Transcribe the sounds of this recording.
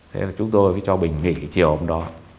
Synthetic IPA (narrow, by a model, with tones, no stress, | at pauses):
t̪ʰḛ˨˦laː˨˩t͡ɕʊ˨˦ŋ͡mt̪o˧jfaː˨˦jt͡ɕɔ˧ɓï˨˩ŋ̟ŋḭ˧˥˨t͡ɕi˨˩əwʔə˧wŋ͡mɗɔ˨˦